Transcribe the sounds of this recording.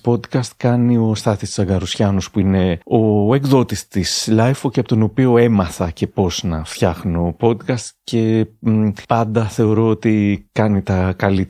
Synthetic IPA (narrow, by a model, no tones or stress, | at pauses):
po̞d̪kɐst̪kɐnio̞st̪ɐt̪ist̪isɐɡɐɾusçɐnospuine̞o̞e̞kðo̞t̪ist̪islɐjfocepot̪ono̞pio̞emɐθɐce̞po̞z̥nɐft̪çɐxnːpo̞d̪kɐst̪ce̞ | pɐnd̪ɐθe̞o̞ɾo̞ot̪ikɐnit̪ɐkɐlit̪